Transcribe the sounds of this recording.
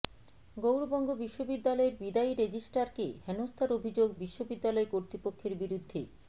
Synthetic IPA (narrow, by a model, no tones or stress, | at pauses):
ɡowɾobɔŋɡobiʃːobid̪ːalɔeɾbid̪aiɾed͡ʑisʈaɾkehɛnost̪ʰaɾobʱid͡ʑoɡbiʃːobid̪ːalɔekoɾt̪ɾipokʰːeɾbiɾud̪ʱːe